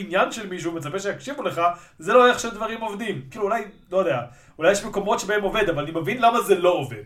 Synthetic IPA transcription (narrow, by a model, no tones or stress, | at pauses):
injanʃelmiʃ̬ume̞t͡sapeʃejakʃivule̞χa | zeloeχʃed̪vaʁimo̞vd̪imkiːluːlajlo̞jod̪ea | ulajeʃmeko̞mo̞tʃebaemo̞ve̞d̪avalanimevinlamazelo̞ovḛd